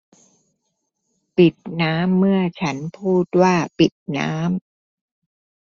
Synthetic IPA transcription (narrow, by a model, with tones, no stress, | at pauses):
pi˨˩t̪̚naː˦˥mːɯ˥˩ɐt͡ɕʰa˦˥npʰuː˥˩t̪̚waː˥˩pi˨˩t̪̚na̰ː˦˥m